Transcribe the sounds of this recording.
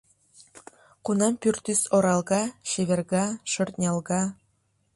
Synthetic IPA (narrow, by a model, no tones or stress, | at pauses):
qunɑmpyrt̪ysoɾɑlˠɡɑʃeβĕrɡɑʃŏrt̪nʲɑlˠɡɑ